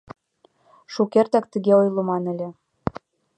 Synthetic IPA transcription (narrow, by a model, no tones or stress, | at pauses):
ʃukert̪æk̚t̪ə̆ɣeojlˠomɑnɘ̆lʲĕ